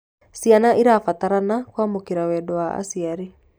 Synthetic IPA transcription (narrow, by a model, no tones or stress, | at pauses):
sianaʔiɾafat̪aɾanakwamukiɾawedoaa̰siaɾi